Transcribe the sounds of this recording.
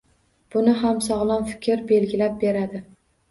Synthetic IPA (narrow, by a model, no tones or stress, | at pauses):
b̥ʊnɪɦamsɒʁlˠɒnfɪ̥kʲʰɪɾbe̞lɡʲɪlap̚be̞ɾad̪ɪ